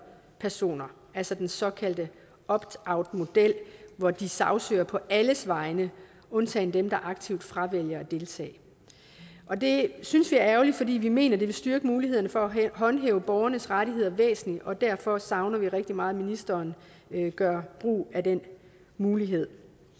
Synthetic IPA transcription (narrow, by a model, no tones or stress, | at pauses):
pʰæɐso̝̰ːnɐ | ælsɒd̥ensɒ̽kʰæl̰d̥ə | ɒ̽b̥ɑ̈ʊ̰d̥mo̝d̥el̰ʋɒd̥isɑ̈ʊsøːɐpʰɒ̽ʔæləsʋɑ̈ɪnə | ɔ̽nt͡sʰɛ̰ːnd̥emd̥ɑ̈ʔɑ̈ɡ̥̚t͡sʰiʊ̰d̥fʁɑ̈ʋel̰jɐɒd̥e̝lt͡sʰɛ̰ːɪ | ʔɒ̽d̥e̝synsʋiæɐæʊlid̥fɒ̽dḭːʋime̝̰ːnɐd̥e̝ʋe̝sd̥yɐɡ̥əmuːliɦe̝ð̰ˠɐnəfɒ̽æɦɒ̽nɦḛːʊəb̥ɒʊɐnəsʁaɾiɦe̝ð̞̰ˠɐʋḛːsn̩liʔɒ̽d̥æɐ̰fɒ̽sɑ̈ʊnɐʋiʁɛɡ̥̚d̥imɑ̈ːð̩ˠminisd̥ɐːn | ɡ̥ɶɐb̥ʁṵːæd̥en̰ | muːliɦe̝ð̞̰ˠ